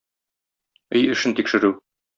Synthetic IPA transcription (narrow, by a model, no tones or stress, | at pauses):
ɘjɘ̆ʃɘnt̪ikʃɘ̆ɾʉ